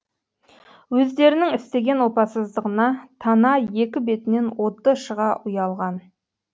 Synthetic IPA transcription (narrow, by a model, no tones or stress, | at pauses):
wɵzd̪e̞ɾɪnɪŋɪst̪e̞ɡʲe̞nwo̞pɑsəzd̪əʁənɑt̪ʰɑnɑje̞kʲɪbe̞t̪ɪne̞nwo̞t̪ːəʃəʁɑʔʊjɑlˠʁɑn